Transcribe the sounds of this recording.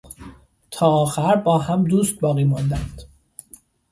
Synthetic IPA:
t̪ʰɒːɒːxæɾbɒːɦæmd̪uːst̪̚bɒːɣiːmɒnd̪ænd̪̥

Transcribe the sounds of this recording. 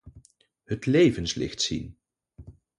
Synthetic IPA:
hətlejvənslɪ̰χtsḭn

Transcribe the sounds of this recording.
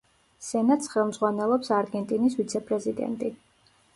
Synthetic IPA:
sɛnat̪sχɛlˠmd̪zʁwanɛlˠɔpsaɾɡɛnt̪ʼinisvit̪sʰɛpʼɾɛzid̪ɛ̰nt̪ʼi

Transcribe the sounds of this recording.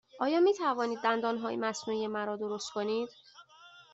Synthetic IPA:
ʔɒːjɒːmiːt̪ʰævɒːniːd̪̚ːænd̪ɒːnɦɒ̰ːjmæsnuːijemæɾɒːd̪oɾost̪̚kʰo̞niːd̪̥

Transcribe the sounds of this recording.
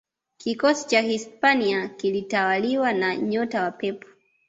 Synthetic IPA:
kikɔsi̥t͡ʃahispaniakilitawaliwanaɲɔtawapɛpɔ̥

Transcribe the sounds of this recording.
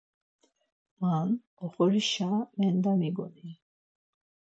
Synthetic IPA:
man | ɔχɔɾiʃamɛnd̪amiɡɔni

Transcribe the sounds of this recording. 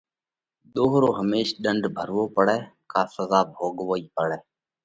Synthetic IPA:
ɗ̪oːɦɾoːɦəmeːʃɗəɳɖʱbʱəɾʋoːpəɽɛːkaːsəzaːbʱoːɠʋoːiːpəɽɛː

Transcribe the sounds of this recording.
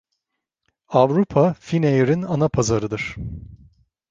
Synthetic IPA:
avɾupʰafinejɾinanapʰazaɾɯd̪ɯɾ̥

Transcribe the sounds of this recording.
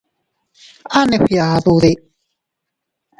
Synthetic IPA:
aneɸiaðuði

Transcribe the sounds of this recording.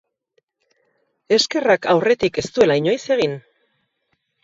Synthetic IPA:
e̞ske̞rakawre̞t̪ike̞st̪ue̞laiɲo̞jse̞ɣ̞in

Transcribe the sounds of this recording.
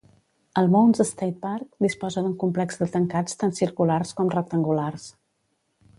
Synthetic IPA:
əlˠmonzəst̪at̪̚paɾk̚d̪ispɔzəðuŋkumplɛkzd̪ət̪əŋkat͡st̪ansiɾkularskɔmrək̚t̪əŋɡulars

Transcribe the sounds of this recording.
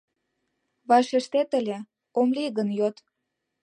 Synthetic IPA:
βɑʃeʃt̪et̪əlʲe | omliɣənjot̪

